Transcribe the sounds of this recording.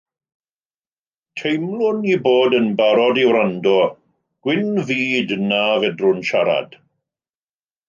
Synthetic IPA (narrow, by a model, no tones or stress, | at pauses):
tʰejmlˠʊniboːdənbaɾɔdiwɾandɔ | ɡ̥wɪnviːdnavɛdrʊnʃaɾa̰d̥